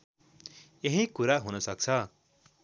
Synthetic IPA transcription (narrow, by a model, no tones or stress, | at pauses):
jeɦĩkuɾaɦunʌsʌk̚t͡sʰʌ